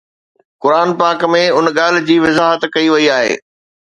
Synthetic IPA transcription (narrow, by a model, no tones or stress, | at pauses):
kʊɾaːnpaːkmẽʊnɠaːl̤ɪ̆d͡ʑiːʋɪzaːɦət̪kɐiʋɐiaːɦḛː